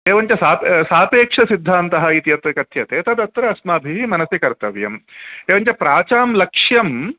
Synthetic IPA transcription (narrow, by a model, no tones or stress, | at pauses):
eːʋɐɲt͡ʃɐsaːpsaːpeːkʂɐsid̪ʱːaːnt̪ɐɦɐit̪ijɐt̪ɐkɐt̪ʰjɐt̪eːt̪ɐd̪ɐt̪ːɾɐɐsmaːbʱiɦimɐnɐsjɐkɐɾt̪ɐʋjɐ̰meːʋɐɲt͡ʃɐpɾaːt͡ʃaːmlɐkʂjɐm